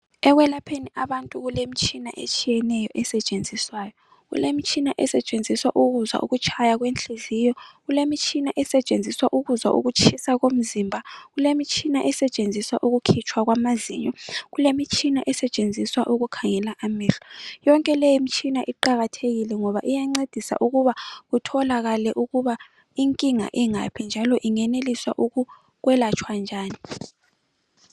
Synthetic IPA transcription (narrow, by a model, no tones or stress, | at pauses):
ɛɣwɛlapʰeniaβantʼuɣulem̩t͡ʃʼʰina̰ʔḛt͡ʃʰʼijɛnɛjɔʔɛsɛt͡ʃʼend͡zʱiswaːjɔ | ɣṵlemit͡ʃʰʼinaʔɛsɛt͡ʃʼend͡zʱiswaʔuɣuza̰ʔuɣut͡ʃʰajaɣwent͡ɬizijɔɣulemit͡ʃʰinaʔɛsɛt͡ʃʼend͡zʱiswaʔuɣuza̰ʔṵɣut͡ʃʰisaɣom̩zimbʱaɣulemit͡ʃʰinaʔɛsɛt͡ʃʼend͡zʱiswaʔuɣukʰit͡ʃʰwaɣ̬wamazḭɲɔɣulemit͡ʃʼʰinaʔɛsɛt͡ʃʼend͡zʱiswaʔuɣukʰaŋɛlaʔamiːɬɔ̥jɔŋkʼɛlɛjimit͡ʃʰʼinaʔiǃaɣatʰeɣilɛŋɔβa̰ʔijaŋ͡ǀed̥ʱisa̰ʔuɣuβaɣutʰɔlaɣalɛʔuɣuβa | iŋkʼiŋa̰ʔiŋa̰pʰind͡ʒʱalɔʔiŋɛneliswaʔuɣu | ɣwɛlat͡ʃʰwand͡ʒʱaːni